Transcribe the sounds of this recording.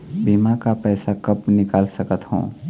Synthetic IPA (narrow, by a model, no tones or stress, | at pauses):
biːmakapɛːsakəpnɪkaːlsəkət̪hõ̰ː